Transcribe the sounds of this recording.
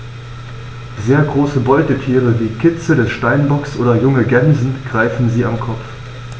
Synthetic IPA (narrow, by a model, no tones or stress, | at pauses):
zeːɐɡʁoːsəbɔʏtətʰiːʁəviːkʰɪt͡sədɛsʃtaɪnbɔksʔoːdɐjʊŋəɡɛnzn̩ɡ̥ʁaɪfn̩ziːamkʰɔpp͡f